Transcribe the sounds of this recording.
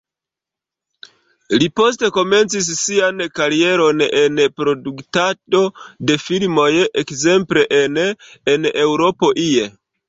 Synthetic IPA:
lipo̞ste̞ko̞me̞nt͡sis̬ːiankaɾie̞ɾo̞ne̞npɾo̞duktado̞de̞filmo̞jʔekze̞mple̞ʔenenewɾo̞po̞ʔie

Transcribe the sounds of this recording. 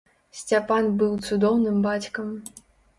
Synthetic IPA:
sʲt͡sʲapanbɨwt̪sud̪ɔwnɨmbat͡sʲkɐm

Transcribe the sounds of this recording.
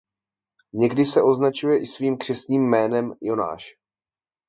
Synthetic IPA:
ɲɛɡdɪsɛʔo̞znat͡ʃujɛʔɪsviːmkr̝̥ɛst̪ɲiːmːɛːnɛmjo̞na̰ːʃ

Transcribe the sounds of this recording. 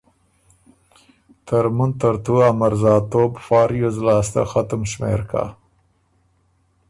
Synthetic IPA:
t̪əɾmunt̪aɾt̪uamaɾzɑːt̪oːbfɑːɾjozlɑːst̪a̰xat̪əmʃmḛɾkʰa̰

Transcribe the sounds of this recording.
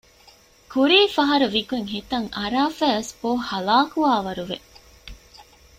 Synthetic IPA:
kuɾiːfɐɦɐɾuʋiɡweŋɦet̪ɐŋʔɐɾaːfæːɐsb̥oːhɐlaːkuaːʋɐɾuʋe

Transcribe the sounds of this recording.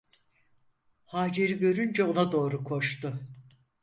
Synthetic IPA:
haːd͡ʒe̞ɾiɟø̞ɾynd͡ʒɛo̞nad̪o̞ːɾukʰo̞ʃt̪ʊ

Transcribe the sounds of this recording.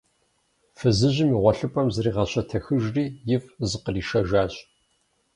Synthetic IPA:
fɨzɨʑɪmiːʁʷɔɬɨpʼɐmzɐriːʁɐɕɐtʰɐxɨʒriːjɪfzɨqəriːʃɐʒaːɕ

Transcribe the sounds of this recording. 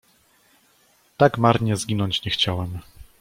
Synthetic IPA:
t̪aɡmaɾɲɛzɡʲinɔɲt͡ɕɲɛxt͡ɕawɛm

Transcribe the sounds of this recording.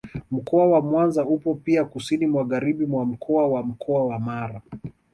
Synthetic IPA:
m̩kɔawamwanzaupɔpiakusinimwaɣaɾiɓimwam̩kʰɔawam̩kʰɔawamaɾa

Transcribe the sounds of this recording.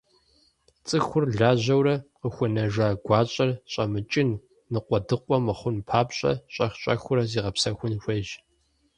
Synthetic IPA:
t͡sʼɨxʷʊrɮaːʑɐwrɐqəxʷʊnɐʒaːɡʷɑːɕʼɐrɕʼɐmɨt͡ʃʼɪnː | ɨqʷɔdɨqʷʼɔmɨχʷʊnpʰaːpɕʼɐ̰ɕʼɐxɕʼɐxʷʊɾɐziːʁɐpsɐxʷʊnxʷɐʒ

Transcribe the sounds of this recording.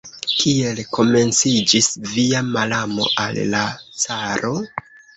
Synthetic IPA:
kie̞lkʰo̞me̞nt͡sid͡ʒisviamalamo̞̰ʔalːat͡saɾʔo̞

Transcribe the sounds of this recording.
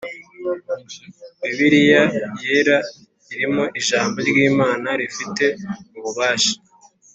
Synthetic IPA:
iβiɾijajeɾa | iɾimo̞ʔiʒaːmboɾɡiːmaːnaɾifite̞uβuβaːʃḁ

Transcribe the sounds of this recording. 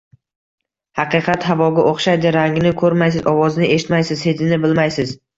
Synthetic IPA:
hɑqɨqʰɑt̪ɦavɒɡʲaʔoχʃajd̪ɪɾaŋɡʲnɪkʰɵɾmajs̬ɪzɒwɒznɪʔeʃɪt̪majsɪzhed̪ɪnɪbɪlmajsɪz̥

